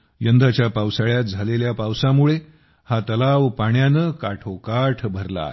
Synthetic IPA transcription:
jənd̪ʱat͡ɕjapawsaɭjat̪̚d͡zʱaleljapawsamuɭe | hat̪əlaʋpaɳjanəkaʈʰokaʈʰbʱəɾla̰

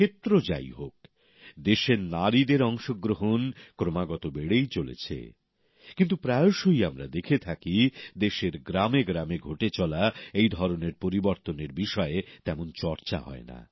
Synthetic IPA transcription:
kʰet̪ːɾod͡ʑa̰jɦok̚ | d̪eʃeɾnaɾid̪eɾɔŋʃoɡɾoɦonkɾomaɡɔt̪obeɽejt͡ɕolḛt͡ɕʰḛ | kint̪̬upɾajoʃojamɾad̪ekʰet̪ʰakid̪eʃeɾɡɾameɡɾameɡʱoʈet͡ɕɔlaejd̪ʱɔɾoneɾpoɾiboɾt̪oneɾbiʃɔet̪ɛmont͡ɕɔɾt͡ɕa̰ɦɔ̰ena̰

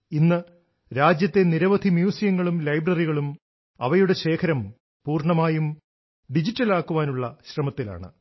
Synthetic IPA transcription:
inːɨ | ɾaːd͡ʑjɐt̪ːe̞niɾɐʋɐd̪ʱimjuːsijɐŋːɐɭumlɐjbrɐriɣɐɭum | ɐʋɐjuɽe̞ɕe̞ːkʰɐɾɐm | puːrɳɐmaːjum | ɖid͡ʑitːɐlaːkːuʋaːnuɭːɐɕrɐmɐt̪ːila̰ːɳɨ̰

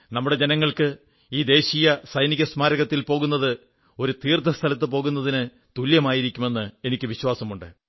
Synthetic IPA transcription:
nɐmːuɽe̞d͡ʑe̞nɐŋːɐɭkɨ | iːd̪e̞ːɕiːjɐsɐjniɣɐsmaːɾɐɣɐt̪ːilpo̞ːɣunːɐðɨ | o̞ɾut̪iːrt̪ʰɐst̪ʰɐlɐt̪ːɨpo̞ːɣunːɐðinɨ | t̪uljɐmaːjiɾikʲːume̞nːɨe̞nikʲːɨʋiɕwaːsɐmuɳɖɨ

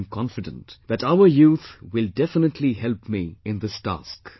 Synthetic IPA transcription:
mkʰɑ̃nfɨdə̰̃ntðætaʊə˞juːθwɪldɛfənətʰlihɛlpmiɪ̃nðɪstʰæ̰sk

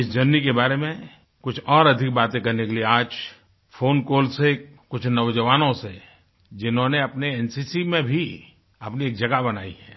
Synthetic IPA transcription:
ɪsd͡ʒɐnːikebaːɾemẽ | kʊt͡ʃʰɔːɾɐd̪ʱɪk̚baːt̪ẽkɐɾnekelieaːd͡ʒ | fʰoːnkoːlse | kʊt͡ʃʰnɐʋd͡ʒəʋaːnõse | d͡ʒɪnɦõneɐpneɛːnsiːsimẽbʱi | ɐpnieːkd͡ʒɐɡaɦbɐnaːḭɦɛː

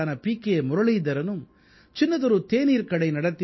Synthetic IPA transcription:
aːnɐpiːkːemʊɾɐɭid̪ɐɾɐnɯm | t͡ʃɪnːɐðɔɾɯt̪eːniːɾkɐɽɐɪnɐɽɐt̪ːɪ

